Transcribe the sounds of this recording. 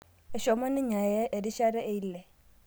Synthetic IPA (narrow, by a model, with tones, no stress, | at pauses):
ɛ˨ʃɔ˨mɔ˦nɪ˦ɲa˨jɛ˦ʔe˨di˦ʃa˦ɾɛ˦ʔe˦i˦lːɛ˨